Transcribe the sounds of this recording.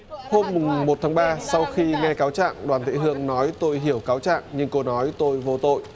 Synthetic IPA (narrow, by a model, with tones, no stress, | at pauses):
ho˧mːʊ˨˩ŋmo˨˩t̪̚ʰa˨˦ŋɓaː˧sa˧wxi˧ŋɛ˧kaː˨˦wt͡ɕa̰ː˧˨ŋɗwaː˨˩nt̪ʰḭ˧˨hɨ˧əŋnɔ˨˦jt̪o˧jɦi˧˩əwkaː˨˦wt͡ɕa̰ː˧˨ŋɲɨ˧ŋko˧nɔ˨˦jt̪o˧jvo˧t̪o̰˧˨jʔ